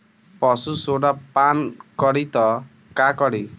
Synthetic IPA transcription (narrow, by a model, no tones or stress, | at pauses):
pɔsusoɽapankɔɽit̪ɔ | kakɔɽi